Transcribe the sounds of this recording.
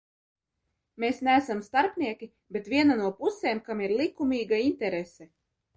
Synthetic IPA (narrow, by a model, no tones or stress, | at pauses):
meːsnæːsamst̪aɾpnʲiɛkʲi | bet̪vʲiɛnanuɔpuseːmkamiɾlˠikumʲiːɡaint̪ɛɾesɛ